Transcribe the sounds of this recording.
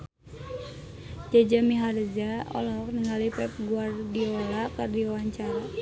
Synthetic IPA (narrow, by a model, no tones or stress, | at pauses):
d͡ʒad͡ʒamiɦaɾd͡ʒaɔ̰lɔk̚nəŋalipɛp̚ɡuardiolakɨrdiwaɲt͡ʃaɾa